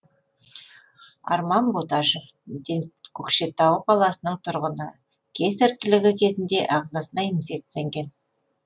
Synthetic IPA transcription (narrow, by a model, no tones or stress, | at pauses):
ɑ̰ɾmɑnbot̪ɑʃefd̪enkʲʰɵkʃe̞t̪ːɑwəqʰɑlˠɑsənəɴt̪ʰʊɾʁənə | kʲʰe̞sɪɾt̪ːɪlɪɡʲɪkʲʰe̞zɪnd̪e̞ʔɑqzɑsənɑinfʲe̞k̚t̪sɨjaŋɡʲe̞n